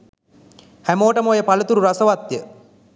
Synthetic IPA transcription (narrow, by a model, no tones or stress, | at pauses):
hæmoːʈəmoːjəpalut̪uɾuɾasəʋat̪jə